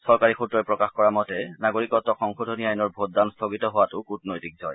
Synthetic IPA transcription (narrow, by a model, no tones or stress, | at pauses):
sɔɹkaɹixʰutɹɔɛpɹɔkaxkɔɹamɔtɛnaɡoɹikɔtɔxɔŋxodʱoniajnɔɹbʱot̚danstʰoɡitɔɦowatʊkutnojtik̚zɔj